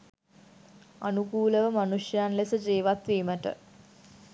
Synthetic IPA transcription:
anukuːləʋəmanuʂjanlesəd͡ʒeːʋat̪ʋeːməʈə̰

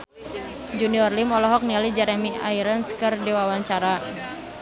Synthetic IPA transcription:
d͡ʒuniɔrlimɔlɔɦɔk̚nialid͡ʒɛɾɛmiʔaiɾənskɨrdiwawaɲt͡ʃaɾa

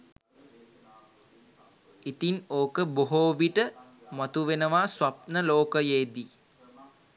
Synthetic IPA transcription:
it̪inoːkəboɦoːʋiʈəmat̪uʋenəʋaswap̚nəloːkəjeːd̪i

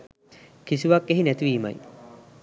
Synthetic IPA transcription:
kisuʋakːeɦinæt̪iʋiːma̰j

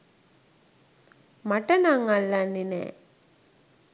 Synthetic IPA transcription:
maʈənaŋalːanːinɛ̰ː

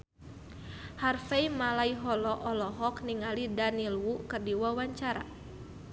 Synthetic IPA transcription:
harfejmalaiɦɔlɔʔɔlɔɦɔkniŋalidanilwukɨrdiwawaɲt͡ʃaɾa

